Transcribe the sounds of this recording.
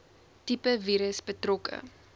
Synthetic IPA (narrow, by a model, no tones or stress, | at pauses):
tipəviːɾəsbətrɔkə̰